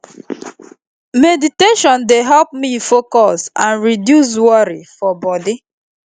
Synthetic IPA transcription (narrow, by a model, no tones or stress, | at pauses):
mediteʃɔ̃ndeɦɛlp̚mifokɔsãnɹidjus̬wɔɾifɔbɔdi